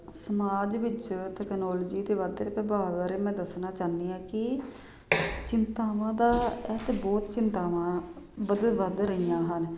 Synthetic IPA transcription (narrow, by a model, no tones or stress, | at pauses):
səmaːd͡ʒʋɪt͡ʃt̪ɛːknɔːlːd͡ʒiːt̪eːʋad̪ɾeːpɛbaːʋaːɾeːmɛ̃ːd̪əsnaːt͡ʃaːnːiːãːkɪ | t͡ʃɪnt̪aːʋãːd̪aːɛːt̪eːbɔːt̪t͡ʃɪnt̪aːʋãː | ʋəd̪ʋəd̪ɾəijãːɦən